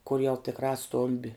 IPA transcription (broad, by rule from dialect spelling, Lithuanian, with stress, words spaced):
kʊr jɛʊ tʲɪkˈrɑː ˈstoːmʲbʲɪ